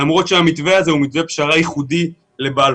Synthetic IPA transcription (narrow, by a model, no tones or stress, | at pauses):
amʁo̞t̪ʃeamit̪ve̞aze̞umit̪ve̞pʃaʁajiχud̪i | le̞bal